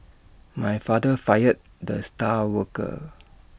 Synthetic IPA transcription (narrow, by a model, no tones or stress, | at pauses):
majfadəfajət̚ | dəstawəkə̰